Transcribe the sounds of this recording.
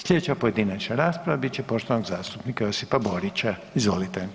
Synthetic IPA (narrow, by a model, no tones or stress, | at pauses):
sʎʲed̪et͡ɕapo̞jed̪inat͡ɕnaɾaːspɾaʋabit͡ɕepo̞ʃt̪oanoɡzaːst̪upnikaosipaboɾit͡ɕa | izʋo̞lit̪ɛ